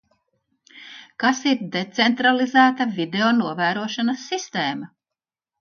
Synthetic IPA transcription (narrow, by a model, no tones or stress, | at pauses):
kasiɾd̪et̪sent̪ɾalˠizæːt̪avʲid̪eonuɔvæːɾuɔʃanɐsːist̪eːmɐ